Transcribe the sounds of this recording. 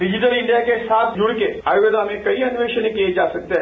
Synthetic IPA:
ɾɪd͡ʒnəɾɪ̃ɳɖijakesaːt̪ʰd͡ʒʊɽkeaːjɪʋd̪amẽkɐiɐnʊʋeːʃənẽkied͡ʒaːsɐk̚t̪eɦɛː

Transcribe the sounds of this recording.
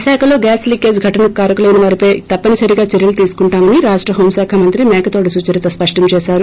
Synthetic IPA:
saːkʰɐlo̞ːɡaːslikːeːd͡ʒɡʱɐʈɐnɐkaːɾɐkulɐjnɐʋaːɾipɐjt̪ɐpːɐnisɐɾiɡaːt͡ʃeɾjɐlut̪iːsu̥kuɳʈaːmɐniɾaːʂʈɾɐɦoːmsaːkʰɐmɐnt̪ɾimɛːkɐt̪oːʈisuːt͡ʃɐɾit̪ɐspɐʂʈɐmt͡ʃɛːʃaːɾu

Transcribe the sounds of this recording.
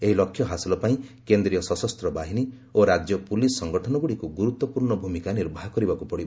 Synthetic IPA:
eɦilɔkʰːjɔɦasilɔpaĩkend̪ɾijɔsɔsɔst̪ɾɔbaɦini | oɾad͡ʒjɔpulisːɔŋɡɔʈʰɔnɔɡuɽikuɡuɾut̪ːɔpuɾɳɔbʱumikaniɾbʱaɦɔkɔɾibakupɔɽibɔ

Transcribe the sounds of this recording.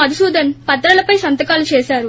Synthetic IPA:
ɐd̪isuːd̪ɐnpɐt̪ɾɐlɐpɐjsɐnt̪ɐkaːlut͡ʃɛːsaːɾu

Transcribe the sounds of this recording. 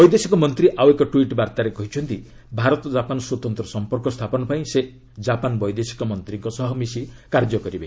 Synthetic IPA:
bɔjd̪esikɔmɔnt̪ɾiʔawekɔʈwiʈbaɾt̪aɾekɔɦit͡ʃʰɔnt̪i | bʱaɾɔt̪ɔd͡ʒapanɔswɔt̪ɔnt̪ɾɔsɔmpɔɾkɔst̪ʰapɔnɔpaĩse | d͡ʒapanbɔjd̪esi̥kɔmɔnt̪ɾiŋkɔsɔɦɔmisikaɾd͡ʒɔkɔɾibe

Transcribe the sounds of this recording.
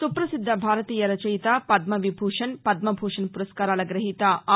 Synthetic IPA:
supɾɐsid̪ʱːɐbʱaːɾɐt̪iːjɐɾɐt͡ʃɐjt̪aːpɐd̪mɐʋibʱuːʂɐnpɐd̪̚mɐbʱuːʂɐnpuɾɐskaːɾaːlɐɡɾɐɦiːt̪ɐ

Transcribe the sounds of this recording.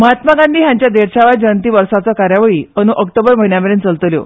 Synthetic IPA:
məɦat̪maɡãnd̪ʱiːɦjãɲt͡ɕjad̪eɽt͡ɕaʋajd͡ʑəənt̪̬iːʋəɾsat͡sɔkaɾjaʋəɭiːənũʔəkʈəbəɾm̤əɦiɳjameɾent͡səlt̪əljo̰

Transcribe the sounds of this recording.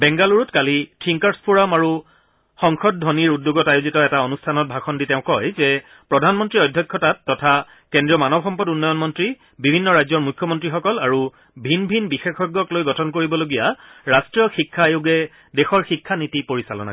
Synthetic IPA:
bɛŋɡaluɹutkalitʰiŋkaɹspuɹamaɹu | xɔŋxʰɔd̚dʱɔniɹudːuɡɔtajʊzitɔɛtaonustʰanɔt̚bʱaxɔnditɛʊ̃kɔjzɛ | pɹɔdʱanmɔntɹiɔjdʱjɔkʰːɔtatːɔtʰa | kendɹijɔmanɔbxɔmpɔdunːɔjɔnmɔntɹi | bibʱinːɔɹajzɔɹmujkʰːɔmɔntɹixɔkɔlaɹu | bʱinbʱinbixexɔɡːɔklojɡɔtʰɔnkoɹibɔloɡijaɹastɹijɔxikʰːajuɡɛ | dɛxɔɹxikʰːanitipoɹisalɔ̰na̰

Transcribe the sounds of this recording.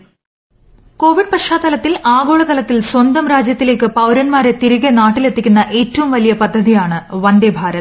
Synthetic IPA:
ko̞ːʋiɖ̚pɐʂaːt̪ːɐlɐt̪ːilaːɣo̞ːɭɐt̪ɐlɐt̪ːilswɐnd̪ɐmɾaːd͡ʑjɐt̪ːile̞ːkːɨpɐwɾɐnmaːɾe̞t̪iɾuɣenaːʈːile̞t̪ːikʲːunːɐʔe̞ːtːɐʋumʋɐlijɐpɐd̪ʱːɐðijaːɳɨʋɐnd̪ebʱaːɾɐt̪

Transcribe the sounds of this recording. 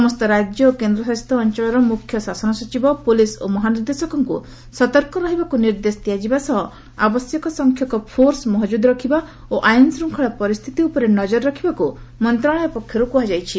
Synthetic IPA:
sɔmɔst̪ɔɾad͡ʒjɔokend̪ɾɔsast̪ʰɔːnt͡ʃɔɭ̃ɔɾɔmukʰːjɔsasɔnɔsɔt͡ʃibɔpolisomɔɦaniɾd̪esɔkɔŋku | sɔt̪ɔɾkɔɾɔɦibakuniɾd̪est̪iad͡ʒibasɔɦɔ | a̰bɔsjɔkɔsɔŋkʰjɔkɔpʰoɾsmɔɦɔd͡ʒud̪ɾɔkʰiba | oʔajnsɾuŋkʰɔɭapɔɾist̪ʰit̪iupɔɾenɔd͡ʒɔɾɾɔkʰibakumɔnt̪ɾaɭ̃ɔjɔpɔkʰjɔɾupuɦad͡ʒajt͡ʃʰi

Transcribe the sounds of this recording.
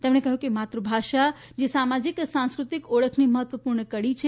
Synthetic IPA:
t̪emɳekəɦjũkimat̪ɾəbʱaʃad͡ʒesamad͡ʒiksãnskɾut̪ikoɭəkʰniməɦət̪ʋəpuɾɳəkəɽit͡ʃʰe

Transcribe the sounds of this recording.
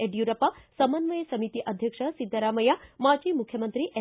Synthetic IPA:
eɖjuɾɐpɐsɐmɐnʋɐjɐsɐmit̪iʔɐd̪ʱjɐkʂɐsid̪ʱːɐɾaːmɐjamaːd͡ʒimukʰjɐmənt̪ɾiʔe

